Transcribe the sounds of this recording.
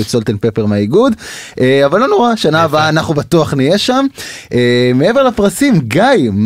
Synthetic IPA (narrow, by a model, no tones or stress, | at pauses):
utsolt̪enpepeʁmeaiɡudeavalːo̞no̞ʁaʃaanaːbaːnaχnubatuaχnije̞ʃamemee̞ve̞ʁlapʁasimɡajm